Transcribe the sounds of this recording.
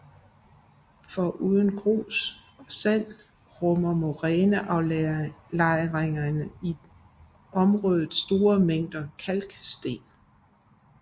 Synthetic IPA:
fɒ̽ʔuːðˠənɡ̥ʰʁo̝̰ːs | ɒ̽sæl̰ | ʁɔmɐmo̝ʁɛːnəʔɑ̈ʊlɑ̈ɪʁeŋɐnəi | ɒ̽mʁɔːðˠð̩ˠsd̥o̝ːɐmeŋ̰d̥ɐkʰælɡ̥sd̥e̝̰ːn

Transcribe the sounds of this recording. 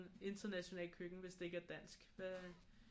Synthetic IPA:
ne̝nd̥ɐnæɕo̝nɛ̰ːlkʰøɡ̥n̩ʋe̝sd̥ee̝ɡ̥əæɐd̥æn̰sɡ̥æ

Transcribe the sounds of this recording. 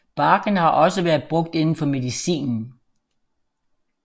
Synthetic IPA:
b̥ɑ̈ːɡ̥ənhɑ̈ʔɒ̽səʋæːɐðˠb̥ʁɔ̽ɡ̥̚d̥e̝nn̩fɒ̽me̝ðˠisḭːnn̩

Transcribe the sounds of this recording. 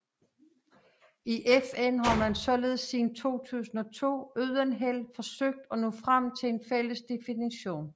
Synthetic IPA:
iʔefenɦɑ̈mænsɒ̽le̝ːð̞ˠsiːn̩t͡sʰo̝̰ːt͡sʰṵːsn̩ɒ̽t͡sʰo̝̰ːøð̰ˠɐnɦel̰fɒ̽søɡ̥̚d̥ɒ̽nufʁam̰t͡sʰe̝enfel̰əsd̥e̝finiɕo̝̰ːn

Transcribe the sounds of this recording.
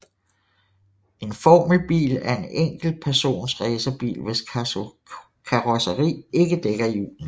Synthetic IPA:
ʔe̝nfɒːmlb̥ḭːlæɐe̝neŋ̰ɡ̥l̩pʰæɐso̝̰ːnsʁɛːsɐb̥ḭːlʋe̝s | kʰɑʁɒsəʁḭːe̝ɡ̥əd̥eɡ̥ɐiṵːln̩

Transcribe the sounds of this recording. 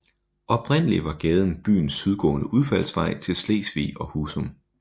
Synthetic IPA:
ʔɒ̽b̥ʁen̰əliʋɑ̈ɡ̥ɛːð̞ˠn̩b̥y̰ːn̩sːyð̞ˠɡ̥ɔ̰̽ːnəʔuð̞ˠfæl̰sʋɑ̈ɪ̰t͡sʰe̝lslḛːsʋḭɒ̽huːsom

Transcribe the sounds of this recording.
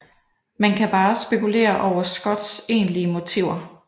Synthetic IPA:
mænkʰæb̥ɑ̈ːsb̥e̝kule̝̰ːɐʔɒʊ̰ɐsɡ̥ɒ̽d̥se̝̰ːnliəmo̝t͡sʰiʊ̰ɐ

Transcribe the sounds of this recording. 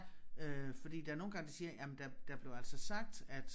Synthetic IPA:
øfɒ̽d̥ḭːd̥ææɐno̝ːn̩ɡ̥ɑ̈ŋd̥esiːɐjæmend̥æd̥æb̥le̝ʊæl̰sɒsɑ̈ɡ̥̚d̥æd̥

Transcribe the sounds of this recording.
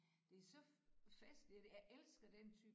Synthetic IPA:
d̥e̝æɐsɒ̽fæsd̥id̥jɑ̈ʔelsɡ̥ɐd̥ent͡sʰyː

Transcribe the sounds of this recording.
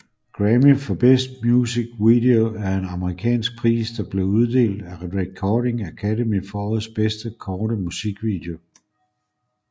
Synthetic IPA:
ɡ̥ʁɛmifɒ̽b̥esd̥̚mjusiɡ̥ʋid̥e̝oæɐe̝nɑ̈məʁikʰɛ̰ːnsɡ̥̚pʰʁḭːsd̥ɑ̈b̥le̝ʊuð̞ˠd̥e̝̰ːld̥æʁɛd̥ʁeɡ̥̚kʰɒːɾe̝ŋækʰædemifɒɒð̩ˠsb̥esd̥əkʰɒːɾəmusiɡ̥ʋid̥e̝o̝

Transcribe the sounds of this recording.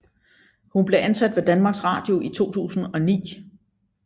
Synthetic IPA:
hunb̥le̝ʔænsæd̥ʋe̝d̥ænmɑ̈ːɡ̥sʁɑ̈ːd̥jo̝ʔit͡sʰo̝̰ːt͡sʰṵːsn̩ɒ̽nḭː

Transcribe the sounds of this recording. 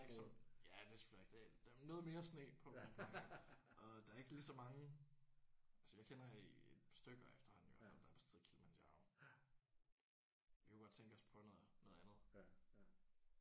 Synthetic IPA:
eɡ̥sɒmjæd̥e̝sɡ̥fel̰eɡ̥d̥ed̥nːɔ̽ːð̞̩ˠme̝ːɐsnḛːpʰɒ̥̽ | ʔɒ̽d̥ɑ̈æɐe̝ɡ̥əlisɒ̽mɑ̈ŋə | ælsəjɑ̈ɪkʰen̰ɐied̥sd̥øɡ̥ɒefd̥ɐhɒ̽n̩ijo̰æfæl̰d̥ɑ̈æɐ̥æseð̰̩ˠkʰilmænɑ̰̈ʊ | ʋikʰuɡɒ̽d̥̚t͡sʰeŋɡ̥əɒ̽spʰɒ̽nɔːð̩ˠnɔð̩ˠænð̩ˠ

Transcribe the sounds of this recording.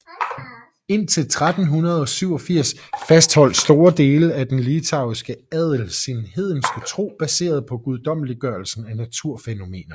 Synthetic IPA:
e̝n̰t͡sʰe̝lt͡sʰʁad̥n̩ɦunɐð̞ˠɒ̽syʊɒ̽fiɐ̰sfæsd̥hɒ̽l̰d̥sd̥o̝ːɐd̥e̝ːləæd̥enlit͡sʰɑ̈ʊisɡ̥əæð̰ˠl̩sinhe̝ð̞ˠn̩sɡ̥ət͡sʰʁo̝̰ːb̥æse̝̰ːɐð̞̩ˠpʰɒ̽ɡ̥uð̞ˠd̥ɒ̽m̰liɡ̥ɶɐlsn̩ænæt͡sʰuɐ̰feno̝me̝̰ːnɐ

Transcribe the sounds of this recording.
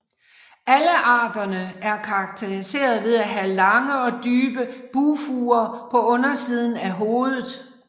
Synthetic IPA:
æləʔɑ̰̈ːd̥ɐnəæɐkʰɑ̈ːɡ̥̚t͡sʰe̝ʁise̝̰ːɐð̞ˠʋe̝ð̞ˠæɦælɑ̈ŋəɒ̽d̥yːb̥əb̥uːfuːɐpʰɒ̽ɔ̽nɐsiːð̞ˠn̩æɦo̝ːð̞ˠð̩ˠ

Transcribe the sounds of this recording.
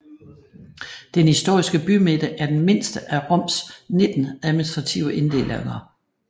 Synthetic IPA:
d̥enhisd̥o̝ɐ̰isɡ̥əb̥ymed̥əʔæɐd̥enme̝n̰sd̥əʔæʁɔ̽m̰sne̝d̥n̩æðˠminisd̥ʁɑ̈t͡sʰiʊ̰əʔe̝nd̥e̝̰lʔeŋɐ

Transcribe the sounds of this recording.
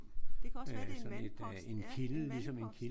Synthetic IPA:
sɒ̽ne̝d̥e̝nkʰiləlisɒ̽me̝nkʰi

